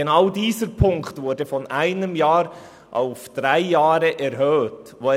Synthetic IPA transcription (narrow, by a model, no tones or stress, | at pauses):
enɑwdiːsəɾpʰʊŋkχtvʊːɾdəfɔnæɪnəmjɑːɾ | ʔa̰ʊfd̥ɾæɪjɑːɾəʔɛɾɦœːtʋo